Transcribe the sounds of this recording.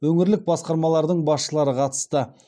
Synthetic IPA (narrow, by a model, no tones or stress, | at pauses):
wɵŋɪɾlɪk̚bɑsqɑɾmɑlˠɑɾd̪əɴbɑsʃəlˠɑɾəqʰɑt̪ə̥st̪ə